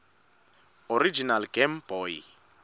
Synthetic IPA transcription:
oɾid͡ʒinalɡɛmb̥ɔːi

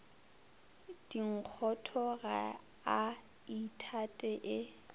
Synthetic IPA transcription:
d̥iŋ̩q͡χʰɔtʰɔɣa | a | itʰatʼɛʔɪ

